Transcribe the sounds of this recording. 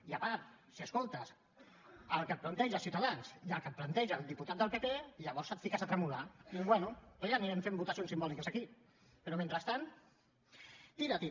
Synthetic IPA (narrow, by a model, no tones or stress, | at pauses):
iapat̪ | siəskolˠt̪əs | əlˠkət̪plant̪ɛʒasiwt̪aðansiəlˠkət̪̚plant̪ɛʒalˠd̪iput̪at̪d̪əlˠpepeiʎəβɔɾsət̪fikasat̪ɾəmulaiβwɛnuʎaniɾɛmfembut̪asionsimbɔlikəsaki | peɾomẽnt̪ɾəst̪an | t̪iɾat̪i